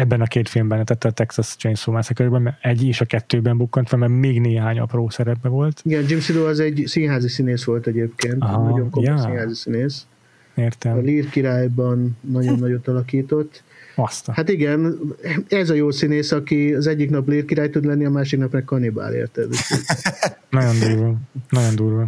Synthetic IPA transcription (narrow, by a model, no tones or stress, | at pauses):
ɛbːɛnɒkeːt̪filmbɛnɛt̪ɛt̪ːɛt̪ːɛksɒsd͡ʒejnsoːmasɛkøɾbɛmɛɛɟiʃɒkɛt̪ːøːbɛmbukːont̪ʋɛmɛɡmeːɡneːɦaːɲɒ̰proːsɛɾɛpːɛvo̞lt̪iɡɛnd͡ʒimsid̪oːɒzɛɟsinɦaːzisineːsʋo̞lt̪ɛɟeːpkeːnt̪ɦnɒɟo̞ŋkojojsinɦaːzisineːs | eːrt̪ɛɒliːrkiɾaːjbɒnːɒɟo̞nːɒɟot̪ːɒlɒkiːt̪o̞t̪ː | ɒst̪hat̪iɡɛn | ɛzɒjoːsineːsɒkiɒzɛɟːiknɒpliːrkiɾaːjt̪ud̪lɛnːiɒmaːʃiknɒpnɛkːɒniba̰ːlḛːrt̪ɛd̪t̪ː | nɒɟo̞nd̪uːɾvɒnɒɟond̪uːɾʋɒ